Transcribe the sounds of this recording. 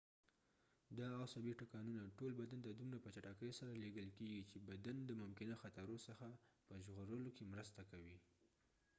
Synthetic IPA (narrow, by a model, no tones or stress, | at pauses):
d̪ɑawsabiʈakɑnunaʈolbad̪ant̪ad̪umɾapət͡ʃaʈakəjsaɾaleɡəlkeɡit͡ʃebad̪and̪əmʊmkɪnaxat̪aɾosəxapəʒɣoɾəlokemɾəst̪akawi